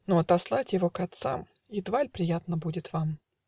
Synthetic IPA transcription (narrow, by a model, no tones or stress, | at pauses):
nuɐt̪ɐslˠatʲjɪvokɐt̪sa̰m | ɪd̪valʲpɾʲɪjat̪nəbudʲɪt̪vam